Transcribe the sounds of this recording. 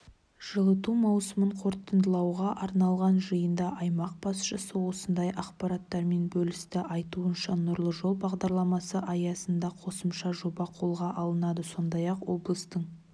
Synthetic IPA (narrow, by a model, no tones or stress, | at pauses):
ʒ̥əlˠət̪umɑwsəməɴqʰo̞ɾt̪ənd̪əlˠɑwʁɑʔɑɾnɑlˠʁɑnʒəjənd̪ɑʔɑjmɑq̚b̥ɑsʃəsəwo̞sənd̪ɑjʔɑqpɑɾɑt̪ːɑɾme̞nbɵlɪst̪ɪʔɑjt̪uənʃɑnʊɾlˠəʒo̞lˠbɑʁd̪ɑɾlˠɑmɑsəʔɑjɑsənd̪ɑqʰo̞səmʃɑʒo̞bɑqʰo̞lˠʁɑʔɑlˠənɑd̪əso̞nd̪ɑjɑqwo̞blˠəst̪əɴ